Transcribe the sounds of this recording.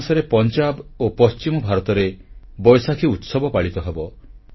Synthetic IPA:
sɔɾepɔnt͡ʃabopɔst͡ʃimɔbʱaɾɔt̪ɔɾebɔjsakʰiut̪sɔbɔpaɭit̪ɔɦebɔ

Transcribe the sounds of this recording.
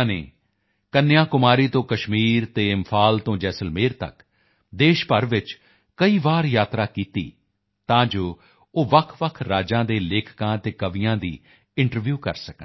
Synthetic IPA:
nḛː | kənːjãːkʊmaːɾiːt̪õːkəʃmiːɾt̪eːɪmpʰaːlt̪õːd͡ʒɛːsəlmeːɾt̪ə̰k | d̪eːʃpəɾʋɪt͡ʃ | kəiːʋaːɾjaːt̪ɾaːkiːt̪ḭː | t̪ãːd͡ʒoː | oːʋəkʰʋəkʰɾaːd͡ʒãːd̪eːleːkʰkãːt̪eːkəʋijãːd̪ḭː | ɪɳʈəɾʋjuːkə̰ɾsəkə

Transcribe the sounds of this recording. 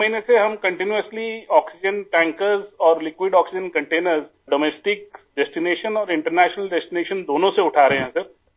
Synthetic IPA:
mɐɦiːneseɦɐmkɐ̃ɳʈɪnjuəsliɔːksɪd͡ʒənʈɛ̃ːŋkəɾzɔːɾlɪkwɪɖɔːksɪd͡ʒənkɐ̃ɳʈeːnəɾz | ɖoːmeːsʈɪk̚ɖɛsʈɪneːʃənɔːɾɪ̃ɳʈəɾnɛːʃnəlɖɛsʈɪneːʃənd̪oːnõseʊʈʰaːɾeɦɦɛ̃sɐɾ

